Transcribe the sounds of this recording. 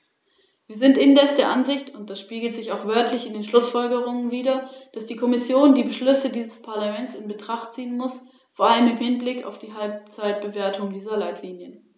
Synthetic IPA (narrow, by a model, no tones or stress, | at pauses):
viːɐzɪntʔɪndɛsd̥eːɐʔanzɪçtʊnt̚d̥asʃpiːɡl̩tz̥ɪçaʊxv̥œɐtʰlɪçɪndeːnʃlʊsfɔlɡəʁ̞ʊŋənviːɾɐd̥asd̥iːkʰɔmɪsjoːndiːbəʃlʏsədiːzəspʰaɐlamɛntsɪnbətʁ̥aχtt͡siːənmʊs | foːɐʔaləmɪmhɪnblɪka̰ʊfd̥iːɦalp̚t͡saɪt̚b̥əveːɐtʰʊŋdiːzɐlaɪtʰliːnjən